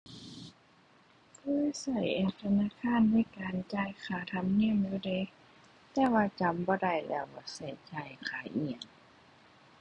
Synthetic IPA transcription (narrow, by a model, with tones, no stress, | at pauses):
kʰɤː˧˥˨jsa˧˩jʔeː˧t̪ʰa˧naː˧˥˨kʰaː˧˥˨nːa˧˥˨jkaː˨nt͡ɕaː˧˩˨jkʰaː˧˩t̪ʰa˧˥mŋi˧˥˨əmjuː˧de˧˦ | t̪ɛː˧˦waː˧t͡ɕa˨˦mbɔː˧˦da˧˩jlɛ̰ː˧˩wbɔː˧˩sa˧˩jt͡ɕaː˧˩jkʰaː˧˩ʔi˧˩ə˨ŋ